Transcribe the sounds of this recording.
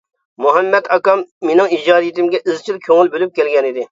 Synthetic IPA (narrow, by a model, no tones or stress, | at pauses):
moɦɛmːɛt̪ʰɑkɑmːenɪŋid͡ʒɑːd̪ijit̪ɪmɡʲɛʔɪzt͡ʃʰilkʲʰøŋɪlbølyp̚kʲɛlɡʲɛnid̪ɪ